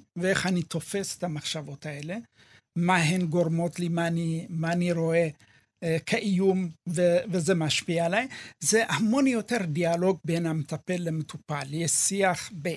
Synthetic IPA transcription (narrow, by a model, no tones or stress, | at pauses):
veeχanit̪o̞fe̞se̥t̪hamaχʃavo̞t̪ae̞le̞ | maɦenɡo̞ɾmo̞t̪limanimaːniɾo̞e̞ | kʰaʔijumvevezemaʃpiaːlajzeʔamo̞njo̞t̪e̞ʁdialo̞ɡ̚benhamet̪ape̞lːemet̪ʰupaljesiaχbe